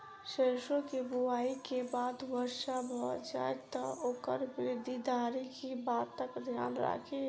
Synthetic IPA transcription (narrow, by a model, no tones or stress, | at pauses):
ʃeːʃõkebuaːikebaːd̪wəɾʃabʱɔd͡ʒa̰ːet̪ɔoːkəɾwɪɪd̪ʱid̪aːɾikibaːtt̪ːəkd̪ʱja̰ːnɾa̰kʰe